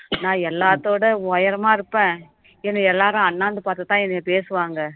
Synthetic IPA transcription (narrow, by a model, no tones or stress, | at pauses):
nãːɛlːaːt̪ːoːɽɐʋɐjɐɾɐmaːɪɾɯpːẽː | ɛnːɐɛlːaːɾʊ̃ɐnːaːnd̪ɯpaːɾt̪ɯt̪ːãːɛnːpeːsɯʋaːŋɡɐ